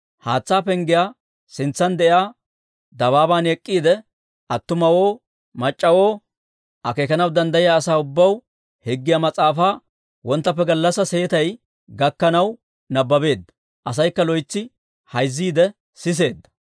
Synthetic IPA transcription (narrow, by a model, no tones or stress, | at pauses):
haːt͡sːaːpɛŋɡɪjaː | sɪnt͡sːɐnd̪ɛʔjaː | d̪ɐβaːbaːnɛkʼːiːd̪ɛ | ɐt̪ːʊmɐwo̞ː | mɐt͡ʃʼːɐwo̞ː | ʔɐkeːkɐnɐwd̪ɐnd̪ɐjɪjaːsaːʊbːɐw | hɛɡːɪjamɐt͡sʼaːfaː | wɔnt̪ːɐpːɛɡɐlːɐsɐse̞ːt̪ɐj | ɡɐkːɐnɐw | nɐbːɐbe̞ːd̪ːɐ̥ | ʔɐs̬ɐjkːɐlɔjt͡sːɪ | hɐjzːiːd̪ɛ | sɪs̬e̞ːd̪ːɐ